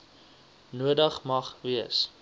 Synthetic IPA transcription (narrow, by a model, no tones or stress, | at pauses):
nuədəχmɐχviəs